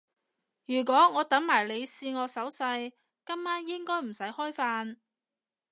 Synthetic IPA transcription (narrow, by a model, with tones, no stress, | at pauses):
jyː˨˩k̬ʷɔː˨˥ŋɔː˨˧t̪ɐ˨˥ŋmaː˨˩jle˨˧jsiː˧ŋɔː˨˧sɐ˨˥wsɐ˧j | kɐ˥mmaː˥njɪ˥ŋkɔː˥jm̩˨˩sɐ˨˥jhɔː˥jfaː˧n